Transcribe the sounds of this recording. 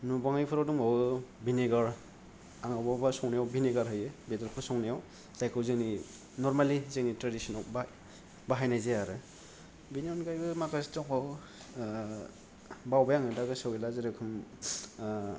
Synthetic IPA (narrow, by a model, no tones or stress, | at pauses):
nubaŋajpʰɯɾawduŋawbineɡaɾ | aŋawbabasɔŋnijawbineɡaɾɦɯjɯbedɔɾpʰɯɾsɔŋnijaw | zajkʰɯwzɯŋni | nɔɾmalizeŋnitɾadisɔnawb | baɦajnajzeaɾɯ | biniɔnɡajbɯmakastɔŋaw | bawbajaŋɯdaɡɯsɯwilazeɾɯkʰɯm